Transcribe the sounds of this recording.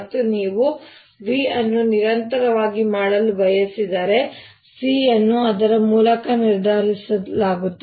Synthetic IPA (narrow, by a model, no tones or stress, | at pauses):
t̪ːuniːʋu | ʋiɐnːuniɾɐnt̪ɐɾɐʋaːɡimaːɽɐlubɐjɐsid̪ɐɾe̞ | siɐnːuɐd̪ɐɾɐmuːlɐkɐniɾd̪ʱaːɾisɐlaːɡut̪ː